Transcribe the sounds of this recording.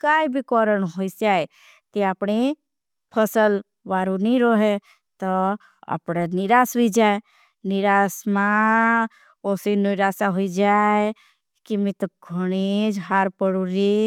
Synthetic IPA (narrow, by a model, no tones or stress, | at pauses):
kaːibʱikɔːɾənɦoisaːe | t̪eapɽe | pʰəsəl | ʋaːɾuniɾoɦe | t̪ɔ | a̰pɽeniɾaːsɦoid͡ʒaːe | nɪɾaːsmã | oːsinoiɾaːsaɦoid͡ʒae | kimĩt̪ɔɡʱəɽ̃ed͡ʒɦaːɾpəɽuɾi